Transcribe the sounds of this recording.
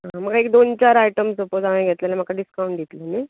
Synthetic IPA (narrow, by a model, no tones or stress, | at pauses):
ɦãməkaek̚d̪ont͡ɕaɾajʈəmsəpod͡zaʋẽɡʱet̪lalem̤akaɖiskauɳʈd̪ʱit̪ləmi